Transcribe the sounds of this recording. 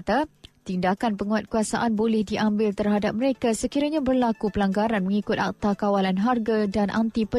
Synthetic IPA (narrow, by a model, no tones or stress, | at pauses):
t̪at̪indakanpəŋuat̪̚kuasaʔanbolɛhdiʔambɪlt̪ərɦadap̚məɾekasəkiɾaɲãbərlakupəlaŋɡaɾanməŋikʊt̪̚a̰k̚t̪akawalanɦarɡadanʔa̰nt̪ipə